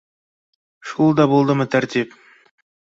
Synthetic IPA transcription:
ʃulˠd̪ɑbolˠd̪əmət̪ʰæɾt̪ʲip

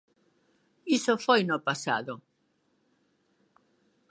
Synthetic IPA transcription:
isofwejnopasa̰ðo

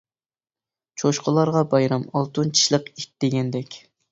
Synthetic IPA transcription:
t͡ʃʰoʃqʰəlˠɑɾʁɑbɑjɾɑmɑlˠt̪unt͡ʃʰi̥ʃlˠəqik̚ʲd̪̥eɡʲɛnd̪ɛkʲ

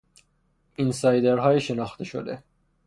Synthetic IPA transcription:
insɒːjd̪eɾɦɒːjiʃe̞nɒːxt̪ʰeʃod̪ḛ

